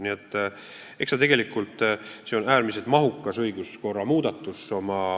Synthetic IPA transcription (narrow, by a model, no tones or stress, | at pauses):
niet̪ːˑ | eksɑt̪e̞ɡ̥e̞likːˑult̪ːˑseo̞næːɾmiselt̪mɑɦukːˑɑsɤjɡ̥usko̞rːɑmuːd̪ɑt̪ːˑusːo̞mɑ